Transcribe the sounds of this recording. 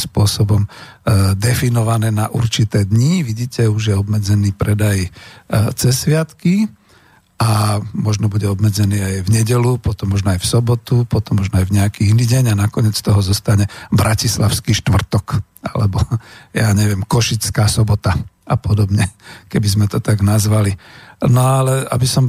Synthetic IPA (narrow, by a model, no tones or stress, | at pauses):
spʊɔsɔbɔm | d̪ɛfinɔʋanɛːnaʔuɾt͡ʃit̪ɛːd̪ɲiʋiɟiːcɛuʒjɛɔbmɛd͡zɛniːpɾɛd̪aj | t͡sɛsːʋɪat̪ki | amɔʒnɔbuɟɛɔbmɛd͡zɛniːajvɲɛɟɛlupɔt̪ɔmːɔʒnɔajfsɔbɔt̪upɔt̪ɔmːɔʒnɔajvɲɛakiːiniːɟɛɲanakɔɲɛt͡st̪ɔɦɔzɔst̪aɲɛbɾacislaʊskiʃt̪ʋr̩t̪ɔk | a̰lɛbɔjaːɲɛʋɪɛmkɔʃit͡skaːsɔbɔt̪a | apɔd̪ɔbɲɛkɛbizmɛt̪ɔt̪aɡnazʋalinɔalɛa̰bisɔm